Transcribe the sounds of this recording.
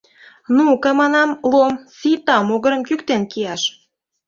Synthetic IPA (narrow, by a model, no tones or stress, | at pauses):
nukɑmɑnɑmlomsit̪ɑmoɣəɾə̆mkykt̪enkijɑʃ